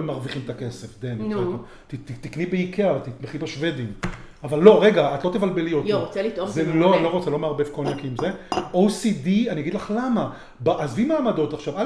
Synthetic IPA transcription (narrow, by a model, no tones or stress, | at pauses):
emaʁviχimet̪akesefd̪eniea | t̪it̪it̪iknibeikʰeavat̪it̪meχibaʃve̞d̪im | avalːo̞ʁe̞ɡaat̪lo̞t̪evalbe̞liotoʁot͡selit̪ozeloanlo̞ʁot͡selo̞meaʁbevkonakiimzeowsid̪ianiaɡid̪laχlama | baʔazvimaːmad̪o̞t̪aχʃava